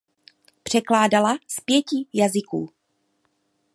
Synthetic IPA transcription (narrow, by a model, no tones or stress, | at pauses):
pr̝̥ɛklaːdalaspjɛcijazɪkṵː